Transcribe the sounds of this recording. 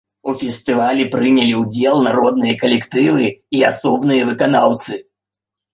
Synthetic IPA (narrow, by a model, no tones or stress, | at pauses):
ufʲɛsʲt̪ɨvalʲɛpɾɨnʲɐlʲiwd͡zʲɛlˠnaɾɔd̪nɨjɐkɐlʲɛkt̪ɨvɨiasɔbnɨjɐvɨkanawt̪sɨ